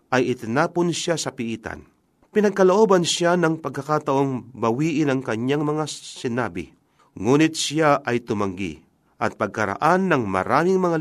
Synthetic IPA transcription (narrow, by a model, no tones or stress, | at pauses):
ʔɐjɪt̪ɪnaːponʃjasɐpɪʔiːt̪a̰n | pɪnɐɡ̚kɐloʔoːbɐnʃjanɐŋpɐɡ̚kːɐkaːt̪ɐʔoŋbɐwiːʔɪnɐŋkɐɲjaŋmɐŋasɪnaːbɪ̰ | ŋuːnɪt̪̚sjaʔɐjt̪ʊmɐŋɡḭ | ʔɐt̪̚pɐɡ̚kɐɾa̰ʔanːɐŋmɐ̰ɾaːmɪŋmɐŋa